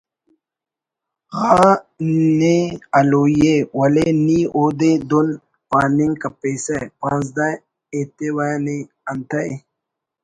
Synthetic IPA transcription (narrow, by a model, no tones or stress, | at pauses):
xa | nealoːjewɐleniod̪ed̪un | paːniŋkapesapãnzd̪a | et̪ewani | ɐnt̪ae